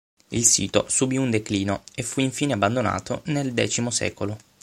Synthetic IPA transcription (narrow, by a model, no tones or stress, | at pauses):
ilsḭːt̪o̰subiund̪ekliːnoefːuiɱfiːneabːand̪ona̰ːt̪o̰neld̪ɛ̰ːt͡ʃimosɛ̰ːkolo